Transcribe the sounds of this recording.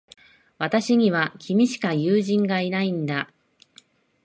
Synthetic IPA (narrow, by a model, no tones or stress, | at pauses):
βat̪aɕiɲ̟iβakʲimʲiɕi̥kajɯːʑĩŋɡainaĩnd̪a